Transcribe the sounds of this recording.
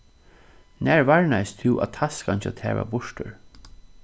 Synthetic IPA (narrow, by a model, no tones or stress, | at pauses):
næːɹvaɹnajst̪ʰɪwʔa̰t̪ʰaskʰant͡ʃat̪ʰɛːva̰bʊʂtə̰ɹ